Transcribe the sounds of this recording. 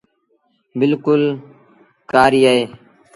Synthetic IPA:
bɪlkʊl | kaːɾiːaɦeː

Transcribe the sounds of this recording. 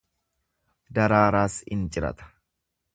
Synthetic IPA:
d̪ɐɾaːɾaːsɪ̰nt͡ʃʼɪɾɐ̰t̪ɐ̥

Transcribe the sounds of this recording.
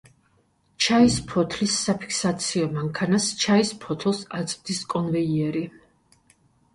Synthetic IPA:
t͡ʃʰaispʰɔt̪ʰlisːapʰi̥kʰsat̪sʰiɔmaŋkʰanast͡ʃʰaispʰɔt̪ʰlˠsat̪sʼmd̪iskʼɔnvɛiɛɾi

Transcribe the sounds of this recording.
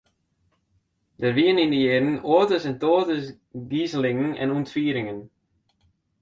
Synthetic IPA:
dərʋiənindəjɪːdn̩oːətəsɛntoːtəs | ɡizəlɪŋn̩ɛ̰nuntʋiːɾɪŋən

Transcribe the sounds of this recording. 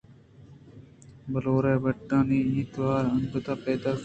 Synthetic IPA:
bəloːɾeːbəʈːãːniːĩːt̪ʋaːɾənd̪ət̪aːpeːd̪aːs

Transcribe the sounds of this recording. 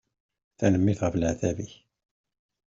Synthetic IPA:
θænəmːiθʁəflʕðæviç

